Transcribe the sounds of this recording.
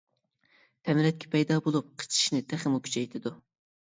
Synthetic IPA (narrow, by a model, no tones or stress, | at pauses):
t̪ʰɛmɾɛt̪̚kʲʰɛ̥pʰɛjd̪ɑːbolˠup̚qʰə̥t͡ʃʰi̥ʃnɪt̪ʰæχɪmukʲy̥t͡ʃʰɛjt̪ʰɪd̪u